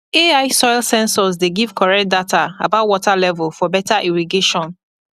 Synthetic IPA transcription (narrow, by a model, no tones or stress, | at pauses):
eaɪsɔɪlsɛ̃nsɔzdeɡiv̥kʰɔɹɛk̚t̚datʰaabaʊt̚wɔtʰalɛvɛlfɔbɛtʰaʔiɹiɡeʃɔ̃n